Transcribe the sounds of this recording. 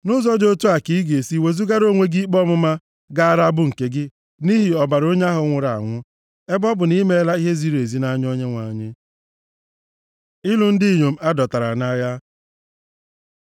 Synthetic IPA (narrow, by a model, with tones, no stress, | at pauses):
nʊ˦zɔ˦d͡ʒo˦tu˦a˨ki˨˦ɡe˨si˦we˨zu˦ɡa˦ɾo˦˨ŋʷe˦ɡi˦k͡pɔ˦mʊ˦ma˦ | ɡa˦a˦ɾa˦bʊ˦ŋ̩˨ke˦ɡɪ˦ | ni˦ɦi˨ɔ˨ba˨ɾo˦ɲa˦ɦʊ˨˦ŋʷʊ˨ɾa̰˨ŋʷʊ˦ | e˦bɔ˦bʊ˨ni˦me˦la˦i˦ɦe˦zi˦ɾe˨zi˨˦na˦ɲ˦o˦ɲe˦ŋʷa˨ɲɪ˦ | ɪ˦lʊ˨n̩˦di˦˨ɲo˨m̩˦a˦dɔ˨ta˨ɾa̰˨na˦ja˦